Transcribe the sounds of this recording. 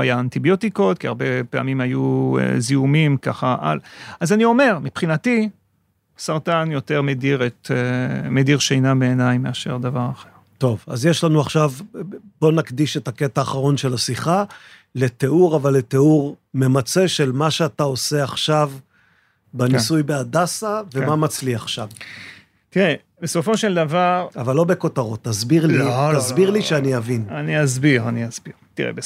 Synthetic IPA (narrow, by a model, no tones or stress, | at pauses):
ajaant̪ibjo̞t̪iko̞t̪kiaʁbepea̰mimajuḛziumimkaχaʔa̰lazanio̞me̞ʁmipχinat̪i | saʁt̪anjo̞te̞ʁmediʁet̪emediʁʃejnabeːnajmeaʃe̞̰ʁd̪avaʁaχeʁt̪o̞va̰zjeʃlanuaχʃavbo̞nakd̪iʃet̪aket̪aːχaʁo̞nʃelasiχa | le̞t̪e̞uʁavalːe̞t̪euʁ | me̞mat͡se̞ʃe̞lmaʃeatao̞se̞aχʃav | benisujbeadasave̞mamat͡sliaχʃav | t̪iʁe | besofo̞ʃeld̪avaʁavalːo̞be̞ko̞taʁo̞t̪ːazbiʁlitazbiʁliʃeaniavinaniazbiʁaniazbiʁt̪iʁḛbe